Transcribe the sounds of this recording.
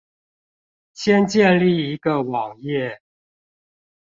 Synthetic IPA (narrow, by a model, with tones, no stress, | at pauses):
ɕʰjɛ˦nt͡ɕjɛ˥˨nli˥˨i˧˦ɡə˨wɑ˨˩ŋjɛ˥˨